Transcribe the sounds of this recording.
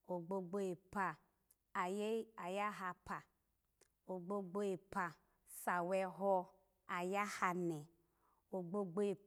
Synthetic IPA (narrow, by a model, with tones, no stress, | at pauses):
o˨ɡ͡bo˧ɡ͡bo˦e˨pa˨ | a˨je˦a˨ja˦ɦa˧pa˨ | o˨ɡ͡bo˦ɡ͡bo˦e˨pa˨ | sa˨wɛ˧ɦɔ˦ | a˨ja˦ha˧nɛ˨ | o˨ɡ͡bo˧ɡ͡bo˦e˨